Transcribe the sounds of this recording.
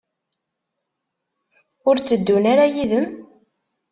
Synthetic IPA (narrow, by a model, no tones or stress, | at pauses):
ʊɾt͡sːəd̪ːunaɾajiðəm